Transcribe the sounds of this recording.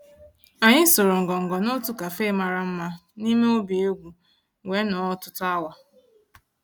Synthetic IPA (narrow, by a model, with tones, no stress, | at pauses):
a˨ɲɪ˦so˨ɾo˨ŋ̩˨ɡɔ˨ŋ̩˨ɡɔ˨no˦tu˦ka˨fe˦ma˨ɾa˦m̩˦ma˦ni˦me˦o˦bi˨e˦ɡʷu˨ | we˨˦nɔ˨˦ɔ˦tʊ˦tʊ˦a˦wa˨